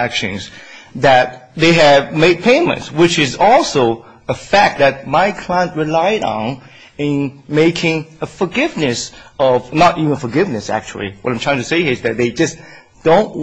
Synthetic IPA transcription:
ækʃɨ̰̃nzðɨt̪̚ðeɪɨvmeɪd̚pʰẽɪ̃mɨ̰̃ntswɪt͡ʃɪzɔlˠsoʊ | əfæk̚ðɨt̚maɪkʰl̥aɪə̃nt̚ɹɨlaɪɾn̩ | ɪ̃nmeɪkʰɪ̃ŋəfə˞ɡɪvnɨsʌvnəɾivə̃n̩fə˞ɡɪvnɨsæ̰k̚t͡ʃṵl̩ˠḭwʌ̰ɾãmtʰɹ̥aɪ̃ŋtʰɨseɪhiɨzðɨt̪̚ðeɪd͡ʒʌs | d̥õʊ̃nʔ

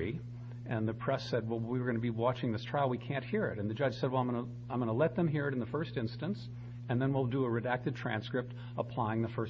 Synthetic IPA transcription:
i | ɨ̃nðɨpʰɹ̥ɛsɛd̚wɛlˠwiə˞ɡʌ̃nɨbiwɑt͡ʃɪ̃ŋðɪstʰɹ̥aɪlˠwikʰæ̃nʔhiɹɪ̰ɾɨ̃nðɨd͡ʒʌd̥ʒ̥sɛd̚wlãɪ̃mɡʌnə | ãɪ̃mɡʌ̃nəlɛt̪̚ðɨ̃mɦiɹɨɾn̩ðɨfɜ˞stɪ̃nstɨ̃ns | ɨ̃nðɨ̃nwilˠdəəɹɨdæk̚tɨd̚tʰɹ̥æ̰̃nskɹɨp̚t | əpʰl̥aɪɪ̃ŋðɨfɜ˞

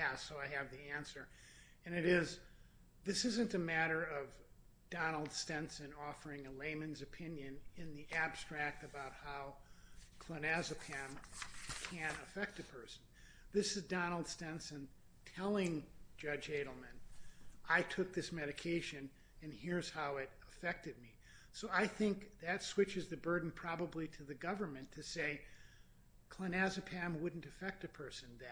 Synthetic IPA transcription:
jæsoʊaɪɨvðiæ̃nsə˞ | ɨ̃nɨɾɪz | ðɪsɪzɨ̃ntɨmæɾə˞ʌv | d̥ɑnl̩ˠd̥stɛ̃nsɨ̃nɔfə˞ɪ̃ŋɨlẽɪ̃mɨ̃nzɨpʰɪ̃njɨ̃nɪ̃nðiʔæb̥stɹ̥æk̚tɨbaʊt̚haʊkʰl̥ənæzɨpʰæ̃mkʰɨ̃nɨfɛk̚tɨpʰɜ˞sn̩ | ðɪsɨzdɑnl̩ˠd̥stɛ̃nsɨ̃n | tʰɛlˠɪ̃ŋ̥d͡ʒʌd͡ʒeɪɾl̩ˠmɨ̃nʔaɪtʰʊk̚ðɪsmɛɾɨkʰeɪʃɨ̃n | ɨ̃niɹz̥haʊɪɾəfɛk̚tɨd̚mi | soʊaɪθɪ̃ŋkðɨtswɪt͡ʃɨzðɨbɜ˞dⁿn̩pʰɹ̥ɑbəbliɾɨðɨɡʌvə˞mɨ̃ntʰɨseɪ | kʰl̥ənæzɨpʰæ̃mwʊdⁿn̩tɨfɛk̚tɨpʰɜ˞sɨ̃n̩ðɨ

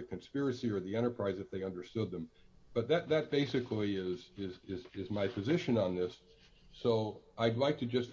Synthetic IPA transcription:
ɨkʰɨ̃nspɪɹɨsiə˞ðiɛ̃ɾ̃ə˞pʰɹ̥aɪzɨfðeɪʌ̃ndə˞stʊd̪̚ðə̃m | b̥ʌt̪̚ðɨt̪̚ðɨt̚b̥eɪsɨkʰliɪzɪzɪzɪzmaɪpʰɨzɪʃɨ̃nə̃nðɪsː | oʊʔaɪdˡlaɪk̚tʰɨd͡ʒʌst

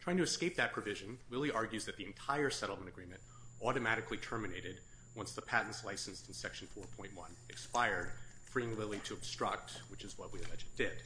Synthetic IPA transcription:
tʰɹ̥aɪɪ̃ŋtʰɨɨskeɪp̚ðɨt̚pʰɹ̥ɨvɪʒɨ̃nlɪlˠiʔɑɹɡjʉzðɨt̪̚ðiɨ̃ntʰaɪə˞sɛɾl̩ˠmə̃ɾ̃ɨɡɹĩmɨ̃nt | ɔɾɨmæɾɨklitʰɜ˞mɨneɪɾɨd̚ | wʌ̃nsðəpʰæʔn̩tslaɪsn̩stn̩sɛkʃn̩fɔɹpʰɔ̃ɪ̃nʔ̚wʌ̰̃nɨkspaɪə˞d̥̚fɹiɪ̃ŋlɪlˠiɾɨɨb̥stɹ̥ʌ̰k̚t̚wɨt͡ʃɨzwʌt̚wiɨlɛd͡ʒɨd̥ɪd̥

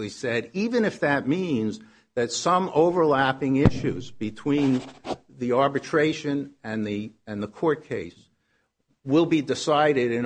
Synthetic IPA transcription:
lisɛɾivɨ̃nɨfðɨt̚mĩnz | ðɨtsʌ̃moʊvə˞læpɪ̃ŋɪʃʉzbɨtʰw̥ĩn | ðiɑɹbɨtʰɹ̥eɪʃɨ̃nɨ̃nðiɨ̃nðəkʰɔɹt̚kʰeɪs | wɪlˠbidɨsaɪɾɪɾɨ̃n

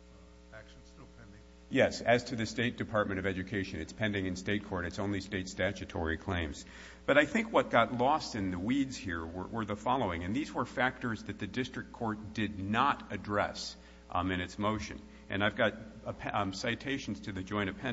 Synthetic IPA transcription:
ækʃ | pʰ | jɛsɨz̥tʰɨðɨsteɪt̚d̥ɨpʰɑɹt̚mɨ̃ɾ̃ʌvɛd͡ʒɨkʰeɪʃɨ̃nɨtspʰɛ̃ndɪ̃ŋɨ̃nsteɪt̚kʰɔɹɾɨtsõʊ̃nlisteɪtstæt͡ʃɨtʰɔ̰ɹikʰl̥ẽɪ̃mz̥ | b̥ʌɾaɪθɪ̃ŋkwʌt̚ɡ̥ɑtˡlɔstɨ̃nðɨwidz̥hiɹwə̰˞wə˞ðəfɑlˠoʊɪ̃ŋɨ̃nðizwə˞fæk̚tə˞zðɨt̪̚ðɨdɪstɹ̥ɨk̚kʰɔɹt̚d̥ɪdⁿnəɾɨdɹɛ̰s | ɨ̃ñɨtsmoʊʃɨ̰̃n | ʔɨ̰̃naɪvɡɑɾʰ | saɪtʰeɪʃn̩z̥tʰɨðɨd͡ʒɔ̃ɪ̃ɾ̃ʌv̥pʰɛ̃

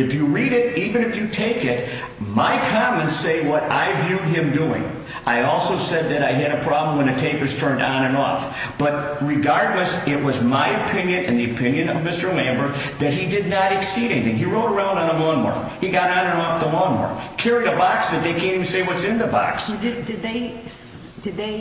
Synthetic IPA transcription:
ɨfjɨɹiɾɪɾivɨ̃ñɨfjɨtʰeɪkɪt̚ | maɪkʰɑmɨ̃ntseɪwʌɾa̰ɪvjʉd̚ɪ̃mduɪ̰̃ŋ | ʔaɪɔlˠsoʊsɛd̪̚ðɨɾaɪɨɾɨpʰɹ̥ɑblə̃m̩wə̃nɨtʰeɪpɨz̥tʰɜ̃˞ndñɨ̃nɔ̰f | b̥ʌt̚ɹɨɡɑɹdˡləsɪt̚wʌzmaɪɨpʰɪ̃njɨ̃nɨ̰̃nðiɨpʰɪ̃njɨ̃nʌ̰vmɪstə˞læ̃mbə˞ | ðɨt̚hidɨdⁿnəɾɨksiɾɛniθɪ̃ŋiɹoʊɾə˞ãʊ̃nd̃n̩əmɔnmɑ̰ɹ | hiɡɑɾnɨ̃nɔfðəmɔnwə̰ɹkʰɛɹiəbɑksðɨt̪̚ðeɪkʰɛ̃nɨmseɪwʌtsɨ̃nðəbɑ̰ksdɨd̪ðeɪ | d̥ɨd̪̚ðeɪ

